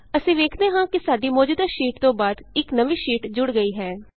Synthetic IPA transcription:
əsĩːʋeːkʰd̪eːɦãːkɪsaːɖiːmɔːd͡ʒuːd̪aːʃiːʈt̪õːbaːd̪ɪknəʋiːʃiːʈd͡ʒʊɽɡəiːɦɛː

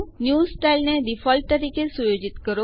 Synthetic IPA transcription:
njuːsʈailned̪ifɔlʈ̚t̪əɾikesujod͡ʒit̪kəɾo

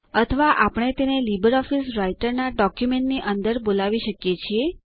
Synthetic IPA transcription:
ət̪ʰəʋaʔapəɳ̃et̪enelibəɾɔfisɾaiʈəɾnaɖɔkjumeɳʈniʔənd̪əɾbolaʋiʃəkjet͡ʃʰie

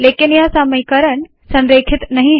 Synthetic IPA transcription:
leːkinjasaməjkəɾəɳ | sənɾeːkʰɪt̪nɐɦĩɦ

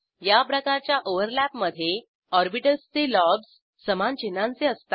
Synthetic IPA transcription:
japɾəkaɾt͡ɕjaʔoʋəɾlæpməd̪ʱje | ɔɾbiʈəst͡selɔbsː | əmant͡ɕinãnt͡seəst̪ḁ

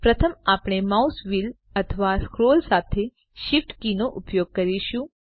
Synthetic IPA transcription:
pɾət̪ʰəmapɽ̃emausʋil | ət̪ʰəʋaskɾolsat̪ʰe | ʃifʈkinoʔupjoɡ̚kəɾiʃũ

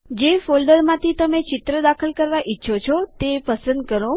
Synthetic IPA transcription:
d͡ʒefolɖəɾmãt̪ʰit̪əmet͡ʃɪt̪ɾəd̪akʰəlkəɾʋaʔɪtːʃʰot͡ʃʰot̪epəsə̃nd̪̚kəɾo

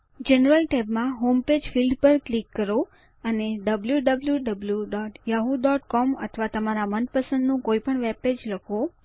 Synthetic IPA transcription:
d͡ʒenəɾəlʈɛbmãɦomped͡ʒfilɖpəɾklikːəɾo | əneɖəbljuɖəbljuɖəbljuɖɔʈjaɦud̪ɔʈkɔmə̰t̪ʰʋat̪əmaɾamənpəsə̃nd̪nũkoipəɳʋeped͡ʒləkʰo

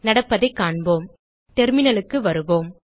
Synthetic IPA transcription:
nɐɽɐpːɐðɐɪkːaːɳboːm | t̪ɛɾmɪnɐɭɯkːɯʋɐɾɯʋoːm

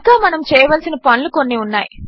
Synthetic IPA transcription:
kaːmɐnɐmt͡ʃɛːjɐʋɐlsinɐpɐnlukonːiunːa̰ːji

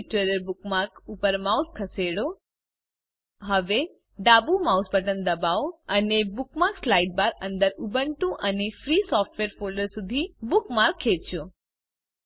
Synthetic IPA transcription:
ʈɾeləɾbukmaɾkupəɾmauskʰəseɽo | ɦəʋe | ɖabumausbəʈənd̪əbaoənebukmaɾkslaiʈ̚baɾənd̪əɾubəɳʈũʔənefɾisɔfʈʋeɾfoləɾsud̪ʱibukmaɾkʰːeʃo

